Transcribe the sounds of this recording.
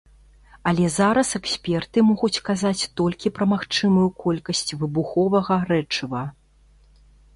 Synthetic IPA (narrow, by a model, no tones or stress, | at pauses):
ɐlʲɛzaɾɐsɛksʲpʲɛrt̪ɨmɔɣut͡sʲkazat͡sʲt̪ɔlʲkʲipɾɐmaxt͡ʂɨmɐjukʰɔlʲkɐsʲt͡sʲvɨbuxɔvɐɣɐɾɛt͡ʂɨvɐ